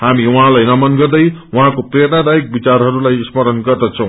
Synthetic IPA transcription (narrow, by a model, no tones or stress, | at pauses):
hamiwʌɦãlajnʌmʌnɡʌrd̪ʌjwʌɦãkoprernad̪aik̚bit͡sarɦʌɾulajsmʌɾʌnɡʌrd̪ʌt͡sʰʌ̃w̃